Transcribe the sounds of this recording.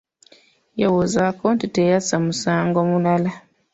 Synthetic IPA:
jawozakoːntitejasamusaːŋɡomunala

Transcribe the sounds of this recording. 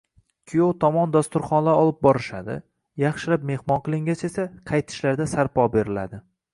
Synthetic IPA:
kʲʰijowt̪ʰɒmɒnd̪ast̪ʊɾχɒnlaɒlˠɪp̚bɒɾɪʃa̰d̪ɪ̰ | jɑχʃɪlap̚me̞hmɒnqɨlˠɪŋɡʲat͡ʃe̞saqʰɑjt̪ʰɪ̥ʃlaɾd̪asaɾpɒbe̞ɾɪla̰d̪ɪ

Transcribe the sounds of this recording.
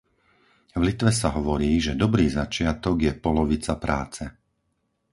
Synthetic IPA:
vlit̪ʋɛsaɦɔʋɔɾiːʒɛd̪ɔbɾiːzat͡ʃɪat̪ɔɡjɛpɔlɔʋit͡sapɾaːt͡sɛ

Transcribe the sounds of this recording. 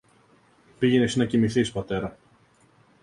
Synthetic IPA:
piʝenesnɐcimiθispɐt̪e̞ɾɐ

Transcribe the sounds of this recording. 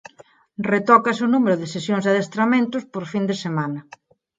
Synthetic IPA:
ret̪ɔkɐsʊnumeɾʊðɪsesjoŋzðaðest̪ɾamẽnt̪ʊspoɾfind̪esemanɐ

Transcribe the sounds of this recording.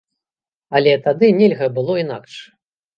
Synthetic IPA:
ɐlʲɛt̪ad̪ɨnʲɛlʲɣɐbɨlˠɔina̰kʂ

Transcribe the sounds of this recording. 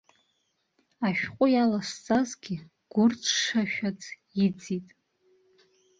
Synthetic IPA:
aʃᶣqʷʼʊjalast͡sʼazɡʲɪ | ɡ̥ʷʊrt͡sʰʂaʃᶣat͡sʰ | id͡zitʼ

